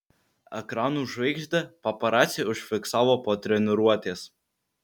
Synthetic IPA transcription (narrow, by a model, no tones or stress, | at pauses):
ɛ̰kɾɑːnuːʒʋʲɛɪɡʒʲd̪ʲɐpɐpɐɾɑːt̪sʲiʊʃʲfʲɪksɑːʋoːpoːt̪ʲɾʲɛnʲɪɾuɔt̪ʲeːs